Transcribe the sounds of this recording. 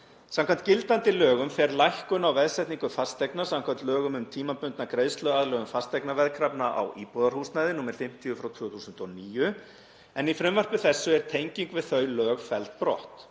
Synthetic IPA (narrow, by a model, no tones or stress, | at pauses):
sãmkʰant̪cɪlt̪ant̪ɪlœːɣʏmfɛɾlajhkʏnawvɛðsɛjht̪niŋkʏfast̪ɛjknasamkʰvant̪lœːɣʏmʏmt̪ʰiːmapʏnt̪nakɾeːjðst̪lœɣaðlœːɣʏmfast̪ejknavɛðkʰɾapnaʔa̰wʔiːpɔðaɾ̥huːsnajðɪnuːmɛɾ̥fɪm̥t̪ʰiʏfɾawt̪ʰvʏːθusʏnt̪ɔniːjʏ | ɛnifɾɛmvar̥pʏθɛsːʏɛɾ̥t̪ʰejɲciŋkvɪðθœɥlœːɣfɛlt̪̚pɾɔ̰ht̪